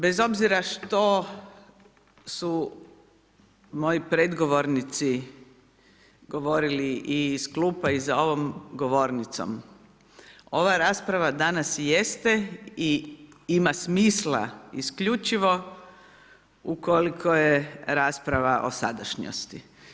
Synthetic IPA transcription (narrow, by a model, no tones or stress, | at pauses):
be̞zo̞bziɾaʃt̪o̞ | su | mo̞jipɾe̞d̪ɡo̞ʋo̞ɾnit̪si | ɡo̞ʋo̞ɾiliʔiːskluːpaizao̞ʋo̞mɡoʋo̞ɾnit̪so̰m | o̞ʋaɾaːspɾaʋad̪anasjest̪ei | imasmiːslˠa̰iskʎut͡ʃiʋo̞ | ukolikʰo̞jeɾaːspɾaʋaʔo̰sad̪aʃɲo̰st̪i